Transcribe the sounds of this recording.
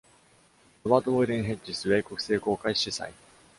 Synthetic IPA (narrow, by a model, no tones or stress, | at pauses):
ɯβaːt̪oβoiɾẽɰ̃ɦe̞t͡ɕisɨβeːko̞kɯ̟̥se̞ːko̞ːkaiɕisa̰i